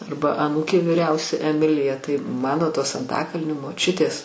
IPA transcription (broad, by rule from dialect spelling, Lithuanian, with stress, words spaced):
ˈɐrbɐ ɐˈnuːkʲeː ʋʲiːˈrʲɛʊsʲɛ ɛˈmʲɪlʲɪjɛ tɐɪ ˈmɑːnoː ˈtoːs ɐnˈtɑːkɐlʲnʲoː moːˈt͡ʃʲʊtʲeːs